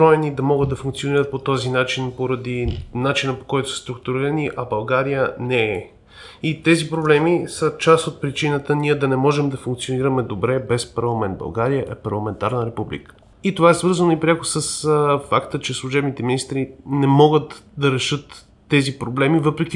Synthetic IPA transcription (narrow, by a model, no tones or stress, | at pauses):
ɾɔɛnid̪ɐmɔɡəd̪ːɐfũŋkt̪sijoniɾət̪̚pot̪ɔzinat͡ʃinpoɾɐd̪inat͡ʃinəpo̥kɔjt̪o̥sə̥st̪ɾuk̚t̪uɾiɾɐniʔɐbɐlˠɡaɾijənɛɛ | it̪ɛzipɾoblɛmisət͡ʃast̪ot̪̚pɾit͡ʃinət̪əniɛd̪ɐnɛmɔʒɛmd̪ɐfuŋk̚t̪sioniɾəmɛd̪obɾɛbɛspɐɾlˠɐmɛnt̪bɐ̰lˠɡaɾijəʔɛpɐɾlˠɐmɛnt̪aɾnəɾɛpublḭkə̥ | it̪ovaɛsvɤɾzənoipɾʲakʊ̥səsfakt̪ət͡ʃɛslˠuʒɛbnit̪ɛminist̪ɾinɛmɔɡət̪d̪ɐɾɛʃɤt̪ː | ɛzipɾoblɛmivɤpɾɛkʲi